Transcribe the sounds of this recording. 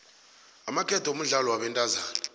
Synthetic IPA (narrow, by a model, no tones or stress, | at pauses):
amakʰʼɛtʰom̩ɮalɔwaɓɛntʼazaːnɛ